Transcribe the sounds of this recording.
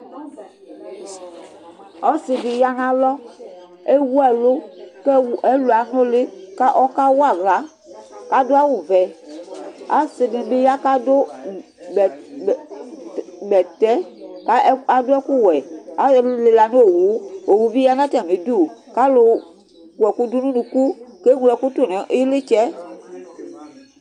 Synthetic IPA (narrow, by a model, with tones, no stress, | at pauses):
ɔ˦se˨bi˨ja˨ŋã˨lɔ˦ | e˦wu˦ɛ˨lo˦kɛ˦˨ɛ˦lo˨a˨nõ˦le˦ka˦ʔɔ˦ka˦wo˦a˨ɡla˨˦ | ka˦do˦a˦wu˨vɛ˨ | a˦se˨mẽ˨be˦ja˦ka˦do˦˨ | bɛ˨tɛ˦ka˦a˨do˦ɛ˦ku˦wɛ˨a˨˦˨le˨la˨nũ˦o˨wu˨˦o˨wu˨˦vi˦ja˦nã˦tɛ˨mẽ˨du˦˨ka˦lo˨ | wɛ˨ku˦du˦nũ˦nũ˨ku˦ke˦ŋũ˦˨ɛ˨ku˦to˨nɛ̃˨ʔe˦le˦t͡ʃɛ˦